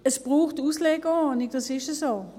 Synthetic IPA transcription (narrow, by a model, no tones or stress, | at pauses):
əsb̥ʁuːxtuːsleːɡənɪk̚d̥ɑsɪʃəsoː